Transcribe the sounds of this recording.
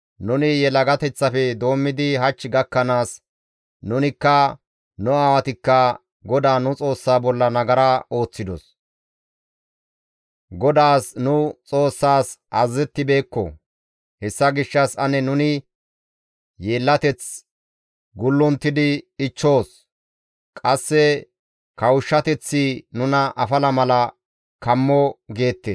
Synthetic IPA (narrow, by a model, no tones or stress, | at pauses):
nʊnɪjɛlɐɡɐt̪ɛt͡sːɐfɛd̪o̞ːmːɪd̪ɪɦɐt͡ʃːɪɡɐkːɐnaːs | nʊnɪkːɐ | nʊaːwɐt̪ɪkːɐ | ɡɔd̪aːnʊt͡sʼo̞ːsːaːbɔlːɐnɐɡɐɾɐo̞ːt͡sːɪd̪ɔs | ɡɔd̪aːsnʊt͡sʼo̞ːsːaːsɐzːɛt̪ːɪbe̞ːkːɔ̰ | hɛsːɐɡɪʃːɐsɐnɛnʊnɪ | je̞ːlːɐt̪ɛt͡s | ɡʊlːʊnt̪ːɪd̪ɪɪt͡ʃːo̞ːs | kʼɐsːɛ | kɐwʊʃːɐt̪ɛt͡sːɪnʊnɐʔɐfɐlɐmɐlɐ | kɐmːɔɡe̞ːt̪ːeːs